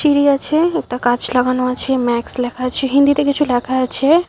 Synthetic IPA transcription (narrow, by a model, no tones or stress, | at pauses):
ʃiɾiat͡ʃʰeekʈakat͡ʃlaɡanoat͡ʃʰemɛkslɛkʰat͡ʃʰeɦĩnd̪it̪ekit͡ʃʰulɛkʰaat͡ʃʰe